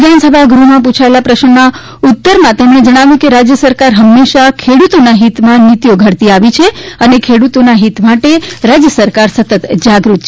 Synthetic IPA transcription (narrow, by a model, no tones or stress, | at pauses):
d̪ʱansəbʱaɡɾumãpũt͡ʃʰaelapɾəʃɳna | ut̪ːəɾmãt̪emɽ̃ed͡ʒəɽ̃aʋjũkeɾad͡ʒjəsəɾkaɾɦəmːeʃakʰeɽut̪onaɦit̪mãnit̪joɡʱəɽt̪iaʋit͡ʃʰeənekʰeɽut̪onaɦit̪maʈeɾad͡ʒjəsəɾkaɾsət̪ət̪d͡ʒaɡɾut̪t͡ʃʰ